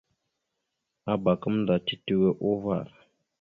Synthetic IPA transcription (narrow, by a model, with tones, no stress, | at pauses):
a˦ba˨kə˦mn˦da˨ti˦ti˨we˦ʔo˦va̰˦˨